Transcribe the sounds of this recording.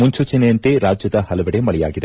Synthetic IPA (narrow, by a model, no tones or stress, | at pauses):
muɲt͡ʃuːt͡ʃɐnejɐnt̪eɾaːd͡ʒjɐd̪ɐhɐlɐʋɛɽemɐɭɛja̰ːɡid̪e